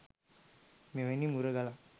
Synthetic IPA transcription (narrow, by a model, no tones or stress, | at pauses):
meʋɐnimuɾɐɡala